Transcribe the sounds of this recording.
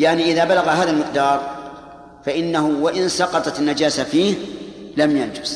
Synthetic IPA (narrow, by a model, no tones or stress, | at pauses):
jaʕniʔɪðaːbalaɣaɦaːðalmɪqd̪ɑːɾˤ | faʔɪnːaɦʊwaʔɪnsɑqɑt̪ˤɑt̪ɪnːad͡ʒaːsafiːhlamjand͡ʒʊs